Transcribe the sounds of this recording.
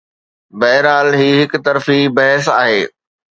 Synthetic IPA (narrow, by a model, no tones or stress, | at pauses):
bɛːɪɾaːlɦiːɦɪkʊt̪ɐɾfibɐɦɛsaːɦeː